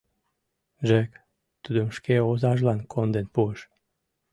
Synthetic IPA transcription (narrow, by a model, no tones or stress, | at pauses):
ʒɛk | t̪ud̪ømʃkeozaʒlankʰond̪enpuʃ